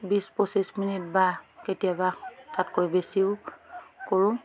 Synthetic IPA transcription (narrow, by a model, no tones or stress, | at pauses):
bispɔsisminit̚baketijabatʰatkojbesiʊ | koɹʊ